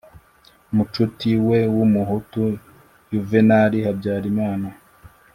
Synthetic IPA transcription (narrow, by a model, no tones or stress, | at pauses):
mut͡ʃutiwe̞wumuɦutu | juvenaɾihabɟaːɾimaːna